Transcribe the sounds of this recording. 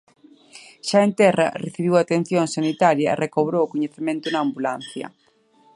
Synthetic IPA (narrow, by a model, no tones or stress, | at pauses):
ʃaent̪ɛrɐ̰reθiβ̞iwat̪en̟θjoŋsanit̪aɾjɐḛrekoβ̞ɾoːkoɲeθemẽnt̪ʊnaːmbulanθjɐ̰